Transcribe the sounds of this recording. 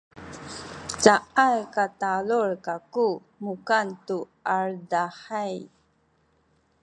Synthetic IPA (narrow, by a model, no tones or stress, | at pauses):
t͡ɕaʔajkatalurkaku | mukantu | aɭdaħaj